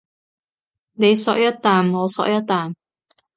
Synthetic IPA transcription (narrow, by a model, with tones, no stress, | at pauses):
ne˨˧jsɔ̰ː˨˧k̚jɐ˥t̚t̪ːaː˨mŋɔː˨˧sɔ̰ː˨˧k̚jɐ˥t̚t̪aː˨˩m